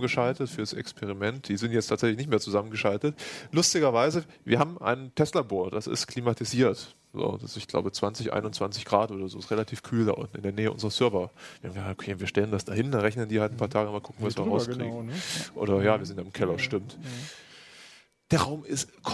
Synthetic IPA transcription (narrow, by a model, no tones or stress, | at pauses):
ɡəʃaltətfyːɐɾasɛ̰kspʰɛʁimɛnt̚d̥iːzɪntjɛt͡stʰaːtzɛçlɪçnɪçtmeːɐt͡suzamənɡəʃaltətlʊstɪɡɐvaɪzə | vḭːɐɦaːbm̩ʔa̰ɪntʰɛslaboːɐd̥asɪ̰stkʰl̥imatʰiziːɐt | z̥o̰ːd̥asɪçɡ̥la̰ʊbət͡sv̥ant͡sɪçʔa̰ɪnʊntt͡sv̥ant͡sɪçɡ̥ʁaːtʔoːdɐzoːsʁelatʰiːfkʰyːlda̰ʔʊ̰ntn̩ɪ̰ndeɐneːəʔʊ̰nzəʁɐsœɐvɐv̥iːɐhaːmɡəzaːk̚to̥kʰeːviɐʃtɛləndasd̥aɦɪndanʁɛçnəndiːhaltn̩pʰaɐtʰaːɡənmalkʰʊkŋ̩vasviːɐʁaʊsɡkʁ̥ḭːŋŋʔo̰ːɾɐjaːviːɐzɪntjaɪmkʰɛlɐʃtɪmt | d̥eːɐʁaʊmɪstkʰ